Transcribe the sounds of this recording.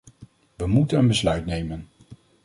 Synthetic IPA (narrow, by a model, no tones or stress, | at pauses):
ʋəmutənənbəslœɥtnejmən